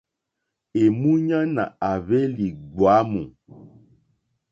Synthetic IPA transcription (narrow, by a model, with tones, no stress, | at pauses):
e˨mu˦ɲa˦na̰˨a˨βe˦li˨ɡ͡bwa˨˦mũ˨